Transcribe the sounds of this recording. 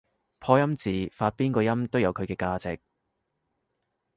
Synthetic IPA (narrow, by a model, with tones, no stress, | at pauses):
pʰɔː˧jɐ˥mt͡siː˨faː˧t̚piː˥nkɔː˧jɐ˥mt̪o˥wjɐ˨˧wkʰɵ˨˧ɥkɛː˧kaː˧t͡sɪ̰˨k̚